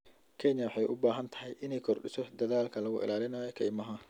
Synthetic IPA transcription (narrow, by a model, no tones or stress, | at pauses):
kʰɛɲɐwħɑjʔʊbaːɦɐnt̪ʰɐ̥ɦɛjʔɪnɛjkʰɔrɗɪsɔd̪ɐðaːlkʰɐlɐɣʊ̰ʔɪ̰laːlɪnaːjɔkʰɐjmɐɦɐ